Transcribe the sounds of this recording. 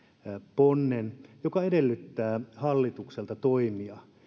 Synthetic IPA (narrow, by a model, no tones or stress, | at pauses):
ponːenjokɑedelːyt̪ːæːhɑlːit̪ukselt̪ɑt̪oimiɑ